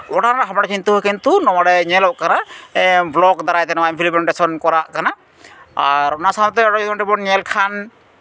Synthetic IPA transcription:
ɔʈanaɦamɽat͡ʃint̪uɦɔjkint̪unɔwaɽɛɲɛlɔʔkana | blɔɡd̪aɾajt̪ɛnɔwaĩnpʰilimɛɳʈesɔnkɔɾaʔkana | aɾɔnasaɔt̪ɛɔʈɔd͡ʒɔd̪ɔɳʈibɔɲɛlkʰan

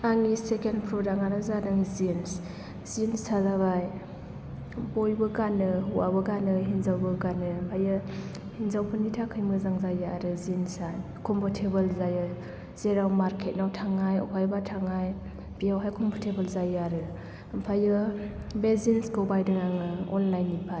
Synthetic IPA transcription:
aŋisekenpʰɾɔdaŋaɾazadaŋizins | zinsʰazaβaj | bojbɯɡanɯɦuwa̰bɯɡanɯɦinzawbɯɡanɯmpʰajɯ | hinzawpʰɯnitʰakʰɯjmɯzaŋzajaɾɯzinsaj | kʰɔmpʰɔtʰebɯlzajɯ | z̥eɾawmaɾkʰet̚nawtʰaŋajɔ̰pʰajbatʰaŋaj | b̥ijawɦajkʰɔmpʰɔtʰebəlzajaɾɯ | mpʰajɯ | bezinsɡobajdɯŋaŋɯɔnlajnːipʰa

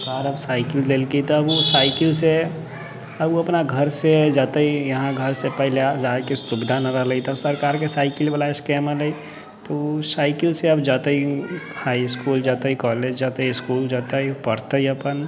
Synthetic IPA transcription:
kaːɾəbsaːɪkɪld̪eːlkit̪oɐbusaːɪkɪlse | əbuɐpnaɡʱɐɾsed͡ʒat̪əijɐɦãɡʱəɾsepɛɦled͡ʒaːkist̪ʊbd̪ʱanaɾəɦləit̪əbsɐɾkaːɾkesaːɪkɪlbalaɪskeːmaləi | t̪osaːɪkɪlseɐbd͡ʒaːt̪əi | haːɪskuːld͡ʒaːt̪əikɔːled͡ʒd͡ʒat̪əiskuːld͡ʒaːt̪əipəɾt̪əiɐpən

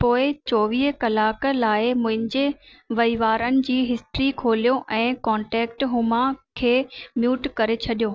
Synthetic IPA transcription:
poːɪt͡ɕɔːʋiːɦkɐlaːklaːɪmʊ̃ɦɪ̃ɲd͡ʑe | ʋɐiʋaːɾənɪ̆d͡ʑiːɦɪsʈɾikʰoːlijoʔɛ̃ːkɔ̃ːɳʈɛːkʈɦʊmãkʰeːmjuːʈkɐɾet͡ɕʰɐɗijoː

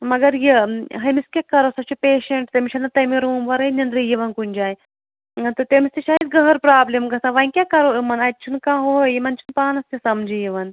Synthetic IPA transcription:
mɐɡɐɾjiɦɐmiskʲekːɐɾosɐt͡ʃʰupʲeːʃɐɳʈt̪emʲiʃʰɐnɐt̪ɐmiɾuːmʋɐɾɐnʲɐnd̪ɾijiʋɐnkunʲd͡ʒaːj | t̪ot̪emisʲt̪ʰiʃaːjid̪̚ɡɐɦɐɾpɾaːblemɡɐsãʋɐikʲekɐɾoimɐnɐʈ̚ʲt͡ʃʰunkãːɦoːjimɐnt͡ʃʰunpaːnɐst̪jisɐmd͡ʒijiʋɐn

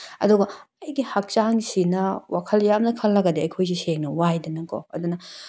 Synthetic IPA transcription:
ɐ̰duɡɐɐjɡihak̚t͡ʃaŋsinɐwakʰɐljamnɐkʰɐlːɐɡɐdeɐjkʰojs̬iseŋnɐwajdɐnɐko̰ɐ̰dunɐ

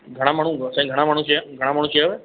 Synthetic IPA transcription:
ɡʱəɽ̃amaːɽ̤̃ũsãĩɡʱəɽ̃amaːɽ̤̃ũt͡ʃʰieɡʱəɽ̃ãmaːɽũːt͡ʃʰːaʋe

